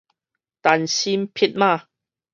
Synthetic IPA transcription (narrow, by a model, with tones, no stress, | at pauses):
t̪aː˨˩nsiː˧mpʰi˧t̚maː˧